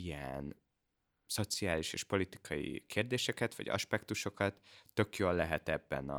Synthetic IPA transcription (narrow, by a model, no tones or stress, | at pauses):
ijɛn | so̞t̪siaːliʃḛːʃpo̞lit̪i̥kʰɒjḭkʰeːrd̪eːʃɛkɛt̪vɒ̰ɟɒ̰ʃpɛkt̪uʃo̞kɒt̪ːø̞kjolːɛɦɛt̪ɛbːɛ̰nɒ̰